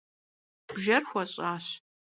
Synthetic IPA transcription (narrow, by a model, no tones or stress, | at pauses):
b̥ʒɐrxʷɐɕʼaːɕ